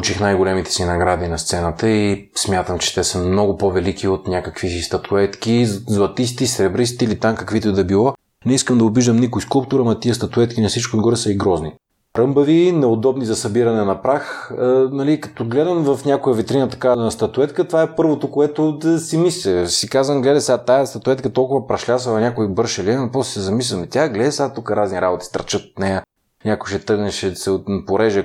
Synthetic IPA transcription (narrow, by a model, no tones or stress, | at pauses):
ut͡ʃixnajɡolɛmit̪ɛ̥sinɐɡɾad̪inɐst̪sɛnət̪əi | smʲjat̪əmt͡ʃɛ̥t̪ɛsəmnɔɡʊpovɛlikiot̪nʲjakəkviist̪ɐt̪ʰuɛt̪k̟izlˠɐt̪is̬t̪isɾɛbɾist̪iilit̪amkɐkvit̪ojd̪ɐbilˠɔ | nɛiskəmd̪ɐobiʒd̪əmnikʊjskulˠp̚t̪uɾɐmɐt̪iəst̪ɐt̪uɛt̪kinɐsit͡ʃkʊnɡɔɾɛsɐiɡɾɔzni | ɾɤmbəvinɛod̪ɔbnizɐsɐbiɾɐnɛnɐpɾaxnɐlikɐ̥t̪ɔɡlɛd̪ɐmvɐfnʲakojəɐvit̪ɾinɐt̪ɐ̥kavnst̪ɐt̪ʊɛt̪kət̪ovaɛpɤɾvot̪okoɛt̪osimislʲɛsikazvɐmɡlɛd̪ɐsat̪ajɐst̪ɐt̪ʊɛt̪kɐt̪ɔlˠkʊvɐpɾɐʃlʲasɐlˠɐnʲakoibɤɾʃɐliɛnopɔssɛzɐmislʲɐmit̪ʲjaɡlɛd̪ɛsat̪ukəɾazniɾabot̪i̥st̪ɾɐ̰t͡ʃət̪o̥t̪nɛjə | nʲakʊjʃɛt̪ɤɾɡnɛʃɛsɛot̪npoɾɛʒɛ